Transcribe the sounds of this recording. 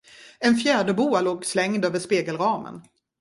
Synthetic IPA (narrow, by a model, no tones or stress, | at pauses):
ɛnfjæːɖəbuːaloːɡslɛŋd̪øːvəʂpeːɡəlɾɑːmə̰n